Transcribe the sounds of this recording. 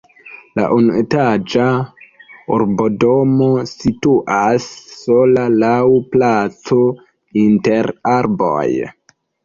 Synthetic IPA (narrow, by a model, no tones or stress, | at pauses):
la̰ʔunuetad͡ʒa | oɾbodomo̞situʔasːolalawplat͡so | inteɾaɾbo̰j